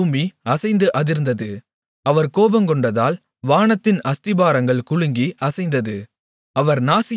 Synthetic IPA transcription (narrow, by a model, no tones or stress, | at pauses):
uːmiɐsɐɪnd̪ɯʔɐðɪɾɯnd̪ɐðɯ | ɐʋɐɾkoːbɐmkɔɳɖɐðaːl | ʋaːɳɐt̪ːɪnɐst̪ɪbaːɾɐŋɡɐɭkʊɻɯŋɡiʔɐsɐɪnd̪ɐðɯ | ɐʋɐɾnaːsɪ